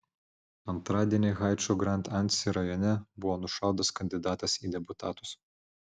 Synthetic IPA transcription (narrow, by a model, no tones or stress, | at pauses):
ɐnt̪ɾɑːd̪ʲiɛnʲɪɣɑˑɪt͡ʃɔɡɾɐnʲˑt̪ɐnʲt̪ʲsʲɪɾɐjɔnʲɛbʊʋoːnʊʃɑˑʊd̪ɐskɐnʲd̪ʲɪd̪ɑːt̪ɐsiːd̪ʲɛpʊt̪ɑːt̪ʊs